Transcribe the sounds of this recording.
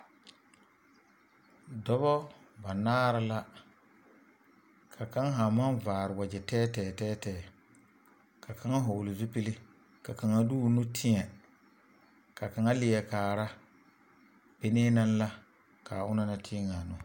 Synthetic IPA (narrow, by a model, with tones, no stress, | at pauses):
dɔ˦bɔ˦ | ba˨naː˦ɾa˦la˦ | kʰa˨ka˦ŋa˦ɦa˨ma˦nvaː˨ɾɪ˨wa˨d͡ʒɛ˨tɛː˦tɛː˨tɛː˦tɛː˨ | kʰa˨kʰa˦ŋa˦ɦo˨lɪ˨zu˦pi˦lɪ˦ | ka˨ka˨ŋa˦duː˦˨nʊ˦tʰɪ˦ɛ˨ | ka˨ka˨ŋa˦lɪ˨jɛ˨kaː˨ɾa˦ | pe˨˦neː˦na˦n˦la˦ | kaː˨ʊ˦na˦na˨tʰɪ˦ŋa˨nʊ˨